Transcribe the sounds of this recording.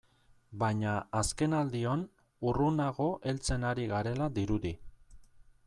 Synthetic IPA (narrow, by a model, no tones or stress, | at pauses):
bajɲaːske̞nald̪ion | urunaɣ̞o̞ʔe̞lt͡se̞naɾiɣaɾe̞lad̪iɾuði